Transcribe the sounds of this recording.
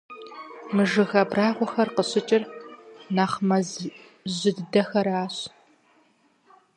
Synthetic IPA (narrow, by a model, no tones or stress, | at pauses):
mɨʒɨɣɐbraːʁʷɔxɐrqəɕɪt͡ʃʼɪrnaːχmɐz | ʑɪddɐxɐɾaːɕ